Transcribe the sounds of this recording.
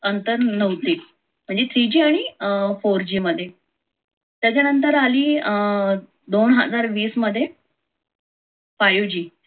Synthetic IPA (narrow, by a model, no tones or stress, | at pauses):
ənt̪əɾnəʋt̪iː | m̤əɳd͡zet̪ʰɾid͡ʑiːaɽ̃ifoɾd͡ʑiːməd̪ʱːje | t̪jat͡ɕjanənt̪əɾaliː | d̪onɦə̰d͡zaɾʋiːsməd̪ʱːje | pajud͡ʑiː